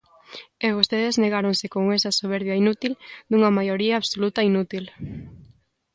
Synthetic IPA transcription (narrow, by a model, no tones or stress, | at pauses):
eβ̞ost̪eðezneɣaɾoŋsekoŋesɐsoβ̞eɾβjɐinut̪ild̪uŋɐmajoɾiaːβsolut̪ɐinut̪il